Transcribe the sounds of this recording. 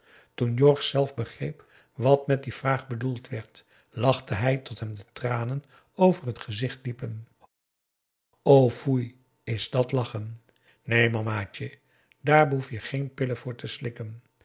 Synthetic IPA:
tunjɔɹχsɛlˠfbəχrejp | ʋɑtmɛt̚div̥raːχbədulˠtʋɛɹt | lɑχtəɦɛjtɔtɦɛmdətraːnən | owvərɦətχəzɪχtlipən | owfuj | ɪzdɑtlɑχən | nejmɑmaːt͡ʃə | daːɹbəɦufjəχejnpɪləvʊːɹtəslɪkən

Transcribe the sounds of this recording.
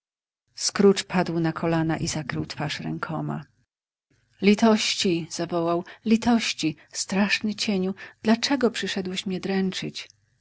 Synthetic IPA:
skɾut͡ʂpʰad̪wnakʰɔlanaʔizakɾɘwt̪faʂɾɛ̰ŋkʰɔma̰ | lʲit̪ɔɕt͡ɕiz̥avɔwawlʲit̪ɔɕt͡ɕi | st̪ɾaʂnɘt͡ɕeɲud̪̥lat͡ʂɛɡɔpʂɘʂɛd̪wɛɕmɲɛd̪ɾɛnt͡ʂɘt͡ɕ

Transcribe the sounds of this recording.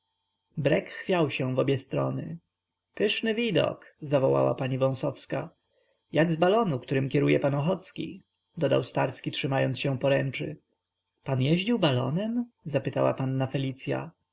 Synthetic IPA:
bɾɛkxːfʲjawɕɛ̃vɔbʲjɛst̪ɾɔ̰nɘ̰ | pɘʂnɘvʲid̪ɔ̰kzavɔwa̰wa̰paɲivɔ̃w̃sɔfska | jaɡzbalɔnukt̪uɾɘmkʲɛɾujɛpanɔxɔt̪skʲḭ | d̪ɔd̪a̰wst̪aɾskʲitʂɘmajɔnt̪ɕɛ̃pɔɾɛnt͡ʂɨ̰ | panjɛʑd͡ʑiwbalɔ̰nɛmzapɘt̪awa̰panːafɛlʲit̪sʲja̰

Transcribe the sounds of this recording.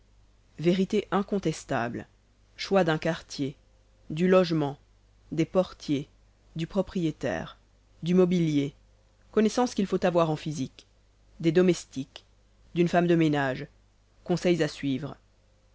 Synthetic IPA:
veʁit̪eʔɛ̃kɔ̃t̪ɛst̪a̰bl | ʃwad̪ɛ̃kaʁt̪je | d̪ylɔʒmɑ̃ | d̪epɔʁt̪je | d̪ypχɔpχijet̪ɛ̰ːʁ | d̪imɔbilje | kɔnɛsɑ̃skʲilfot̪avwaʁɑ̃fizik | d̪ed̪ɔmɛst̪ik | d̪ynfamd̪əmenaʒ | kɔ̃sɛjzasɥiːvʁə

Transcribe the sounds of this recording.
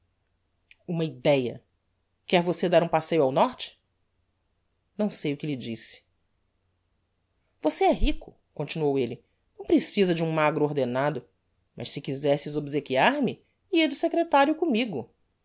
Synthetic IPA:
ũmɐid̪ɛjɐ̰ | kɛɾvosed̪aɾũpasejʊawnɔɾt͡ʃɪ̥ | nɐ̃w̃sejʊkɪlɪd͡ʒisɪ̥ | voseɛɦikʊ | kõnt͡ʃinuowelɪ | nɐ̃w̃pɾesizɐd͡ʒɪũmaɡɾʊoɾd̪enad̪ʊ | mʔɐ̰ʃsɪkizɛsɪzobizekiaɾmɪ | iɐd͡ʒɪsekɾet̪aɾjʊkõmiɡʊ

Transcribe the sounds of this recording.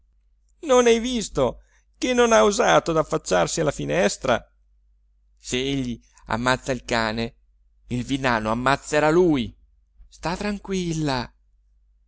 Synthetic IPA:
nonɛjvist̪o | k̟enːonauzaːt̪od̪afːat͡ʃːarsialːafinɛst̪ɾa̰ | seeʎːi | a̰mːat̪sːailkaːne | ilvinaːnoamːat̪sːeɾaluj | st̪at̪ːɾaŋkwilːa

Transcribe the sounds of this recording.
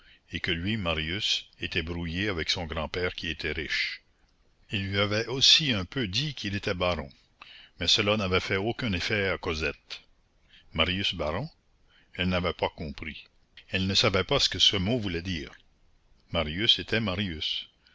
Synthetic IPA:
ekəlɥimaʁjyset̪ɛbɾujeavɛksɔ̃ɡɾɑ̃pɛːʁkʲiet̪ʰɛʁiʃ | ilːɥiavɛosiɛ̃pød̪ikʰilet̪ɛbaɾɔ̰̃ | mɛsəlanavɛfɛokɛ̃nefɛakozɛt̪ | maʁjysbaɾɔ̃ | ɛlnavɛpakɔ̃ːpɾi | ɛlnəsavɛpasə̥kəsəmovulɛd̪iːʁ | maʁjyset̪ʰɛmaʁjys

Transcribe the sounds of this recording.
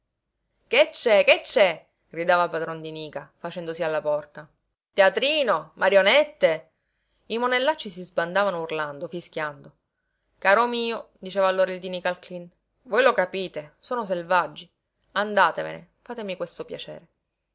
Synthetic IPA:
ket͡ʃːɛket͡ʃːɛ | ɡ̥ɾid̪aːvapad̪ɾɔnd̪iniːkafat͡ʃɛnd̪osialːapɔrt̪a | t̪eat̪ɾiːnomaɾjonɛt̪ːe | imonelːat͡ʃːis̬izband̪aːvanourland̪ofiskʲjand̪o | kaːɾomiːod̪it͡ʃeːvalːoːɾaild̪inikalklin | vojlokapiːt̪esoːnos̬elvad͡ʒːi | and̪aːt̪evḛnḛ | faːt̪emikwest̪opjat͡ʃɛ̰ːɾe

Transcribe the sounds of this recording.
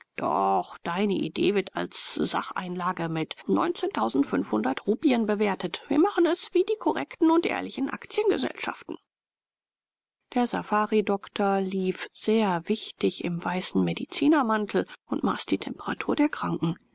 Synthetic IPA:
d̥ɔ̰χd̥aɪnəʔḭdḛːvɪɐta̰lsz̥a̰χʔa̰ɪnlaːɡəmɪtnɔ̰ʏnt͡seːntʰaʊzn̩tfʏnfhʊndɐtʁuːpiənbəveːɐtətv̥iːɐmaχn̩ɛsv̥iːdiːkʰɔʁɛktn̩ʊntʔḛːɐlɪçn̩ʔa̰kt͡sjənɡə̰zɛ̰lʃa̰ftn̩ | d̥eːɐza̰faːʁidɔktʰɐliːfz̥eːɐvɪçtɪçɪ̰mvaɪsn̩medit͡siːnɐmantʰl̩ʊntma̰ːsd̥iːtʰɛmpəʁa̰tʰuːɐdeːɐkʁ̥aŋkŋ̩

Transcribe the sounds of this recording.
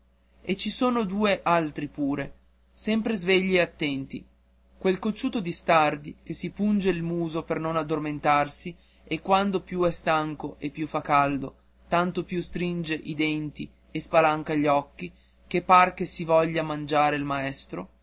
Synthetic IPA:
et͡ʃisoːnod̪uːeʔalt̪ɾipuːɾe | sɛmpɾezveʎːieat̪ːɛnt̪ḭ | kwelkot͡ʃːuːt̪od̪ist̪ard̪ikesipund͡ʒeilmuːzopernonad̪ːorment̪arsi | ekwand̪opjuɛst̪aŋkoʔepːjufːakːald̪o | t̪ant̪opjust̪ɾind͡ʒeʔid̪ɛnt̪i | espalaŋkaʎɔkːi | k̟epːarkesivɔʎːamand͡ʒaːɾeilmaɛst̪ɾo

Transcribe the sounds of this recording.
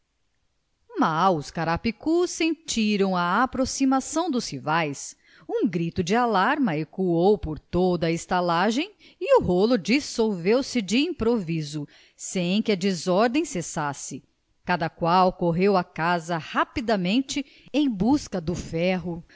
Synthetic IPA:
mawʊskaɾapikusẽnt͡ʃiɾɐ̃w̃ɐapɾosimasɐ̃w̃d̪ʊshivajs | ũɡɾit̪ʊd͡ʒɪalaɾmɐekuowpoɾt̪od̪ɐːɪst̪alaʒẽj̃ | iuɦolʊd͡ʒisowvewsɪd͡ʒɪĩmpɾovizʊ | sẽj̃kɪɐd͡ʒɪzɔɾd̪ẽj̃sesasɪ | kad̪ɐkwawkoɦewɐkazɐhapid̪ɐmẽnt͡ʃɪ | ẽj̃buskɐd̪ʊfɛɦʊ

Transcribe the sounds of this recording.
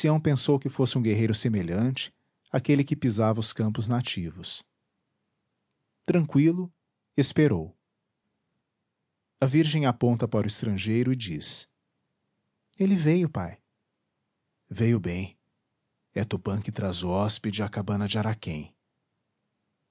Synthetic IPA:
siɐ̃w̃pẽsowkɪfosɪũɡeɦejɾʊsemeʎɐ̃t͡ʃɪ̥ | akelɪkɪpizavɐʊskɐ̃mpʊznat͡ʃivʊs | t̪ɾɐ̃ŋkwilʊ | espeɾow | ɐviɾʒẽj̃apõnt̪ɐpaɾʊɪst̪ɾɐ̃ʒejɾʊɪd͡ʒis | elɪvejʊpa̰j | vejʊbẽj̃ | ɛt̪ʊpɐ̃kɪt̪ɾazʊɔsped͡ʒɪɐkabɐ̃nɐd͡ʒɪaɾakẽj̃

